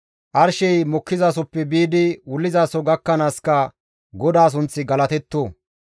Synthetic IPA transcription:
ʔɐɾʃɛjmɔkːɪzaːs̬ɔpːɛbiːd̪ɪwʊlːɪzaːsɔɡɐkːɐnaːskɐ | ɡɔd̪aːs̬ʊnt͡sːɪɡɐlɐt̪ɛt̪ːoː

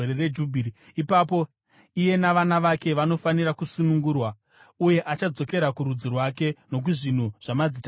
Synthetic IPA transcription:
ɾered͡ʒubʱiɾi | ipapo̞ | ije̞naʋanaʋake̞ʋano̞fanirakusunuŋɡurwa | uje̞ʔat͡ʃad͡zo̞ke̞ɾakuɾud͡zirwake̞no̞k̬uʐin̤uʐ̥amad͡zit

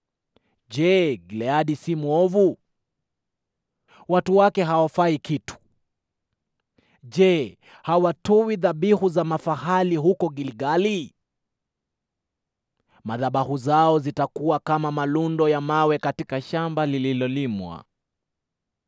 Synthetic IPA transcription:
ʄɛɡilɛaɗisimuɔvu | watuwakɛɦawafaikitu̥ | ʄɛ | hawatɔwiðaɓihuzamafahaliɦukɔɡiliɡali | maðaɓahuzaɔzitakuwakamamalundɔjamawɛkatikaʃambalililɔlimwa̰

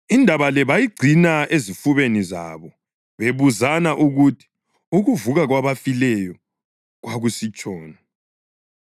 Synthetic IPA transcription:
indʱaβalɛβajiɡ͡ǀʱinaezifuβeniza̰βɔ | βeβuzanaʔuɣutʰi̥ | uɣuvuɣaɣwaβafilɛjɔ | ɣwaɣusit͡ʃʼɔːna

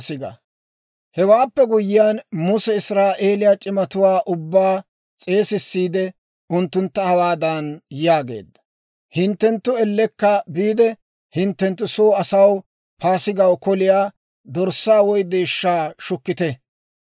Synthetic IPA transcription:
sɪɡɐ̰ | hɛwaːpːɛɡʊjɪjanmʊsɛɪsɾaːʔe̞ːlɪjat͡ʃʼɪmɐt̪ʊwaːʔʊbːaː | t͡sʼe̞ːsɪsːiːd̪ɛ | ʊnt̪ːʊnt̪ːɐhɐwaːd̪ɐnjaːɡe̞̰ːd̪ːɐ̥ | hɪnt̪ːɛnt̪ːʊɛlːɛkːɐbiːd̪ɛ | hɪnt̪ːɛnt̪ːʊsoːɐsɐw | pʰaːsɪɡɐwkɔlɪjaː | d̪ɔɾsːaːwɔjd̪eːʃːaːʃʊkːɪt̪ɛ

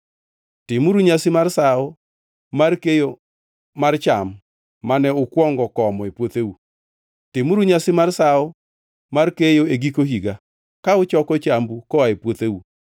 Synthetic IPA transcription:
tɪmuɾuɲasɪmarsaɔ | markejo | mart͡ʃamː | anɛʊkwɔŋɡɔkɔmɔepwot̪ewu | tɪmɾuɲasɪmarsaɔ | markejoeɡikoɦiɡa | kaʊt͡ʃɔkɔt͡ʃambukɔaepwot̪ewu

